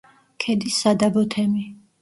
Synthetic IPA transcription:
kʰɛd̪isːad̪abɔt̪ʰɛmi

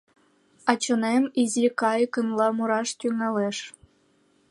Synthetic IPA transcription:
ɑt͡ɕɤ̆nemʲizikɑjkɤ̆nlˠɑmuɾɑʂt̪ʲyŋɑlʲeʂ

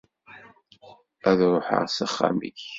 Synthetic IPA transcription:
æðɾˤʊħə̰ʁsaχːa̰mḭç

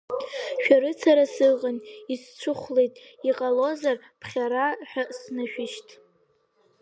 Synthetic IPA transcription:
ʃᶣaɾɨt͡sʰaɾasɨʁʼənist͡ʃʷʰʊχʷle̞jtʼiqʼalo̞zar | pʰχʲaɾaħᶣasnɨʃᶣɪʃtʼ

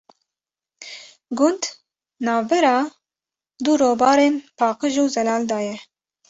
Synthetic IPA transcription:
ɡʊnd̪ | nɑːvbɛɾɑː | d̪uɾoːbɑːɾeːnpʰɑːqɨʒuːzɛlɑːld̪ɑːjɛ

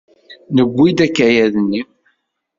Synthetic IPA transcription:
nəɡʷːid̪ækːæjæðnːim

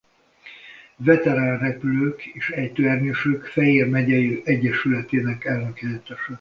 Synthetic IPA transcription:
vɛt̪ɛɾaːnrɛpyløːkeːʃɛjt̪øɛrɲøʃøːkfɛjeːrmɛɟɛjøːʔɛɟːɛʃylɛt̪eːnɛkɛlnøkɛlɛt̪ɛʃɛ

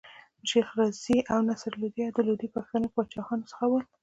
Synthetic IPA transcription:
ʃexɾaziʔawnasɾlud̪jɑd̪əlud̪ipaxt̪ənopəwat͡ʃɑxɑnosə̥xawəl

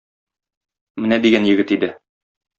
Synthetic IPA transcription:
mɘnæd̪iɡænjɘ̆ɡɘt̪id̪ɘ

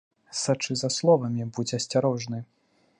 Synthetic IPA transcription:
sat͡ʂɨzɐslˠɔvɐmʲibud͡zʲɛɐsʲt͡sʲaɾɔʐnɨ

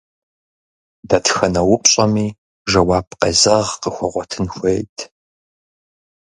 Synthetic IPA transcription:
dɐtxɐnɐwʊpʼɕʼɐmiː | ʒɐwaːpʰqɐzɐʁqəxʷɔʁʷɔtʰɨnxʷejtʰ

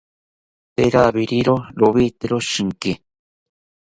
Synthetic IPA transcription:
peɾaβiɾiɾoɾoβit̪eɾoʃiŋke

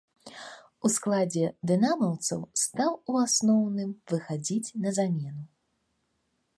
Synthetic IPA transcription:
usklˠad͡zʲɛd̪ɨnamɐwt̪sɐ̰wst̪awuasnɔwnɨmvɨxad͡zʲit͡sʲnɐzamʲɛnu

